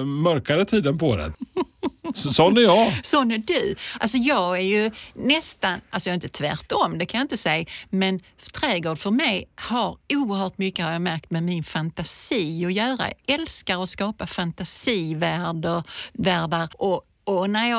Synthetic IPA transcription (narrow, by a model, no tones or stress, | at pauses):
mœɾkaɾət̪ʰiːd̪ənpʰɔd̪ɛ̰ | sɔnːæɾjɑsɔnːæɖɵals̬ɔjɑːɡæɾjɵnɛst̪analsɔjaɾɪnt̪ət̪ʰvæ̰ɾʈɔmd̪ɛkʰanjaɪnt̪əsɛjmɛn | t̪ʰɾɛːɡoːɖfœɾmɛjhaɾuːəɾɦœːʈmʏkːəhaɾjɑːmæɾk̚t̪mɛmɪnfant̪asiːɔjœːɾa̰jɑ̰ɛlskaɾɔskɑːpafant̪asiːvæːɖəɾvæːɖaɾʔɔ | ɔnæɾjɑː